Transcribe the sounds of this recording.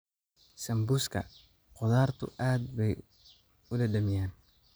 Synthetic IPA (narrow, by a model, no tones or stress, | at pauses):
sɐmbʊskʰɐ̰ | qɔðaːrt̪ʰʊ̰ʔaːd̪̚bɛj | ʊdɐɖɐmɪjaːn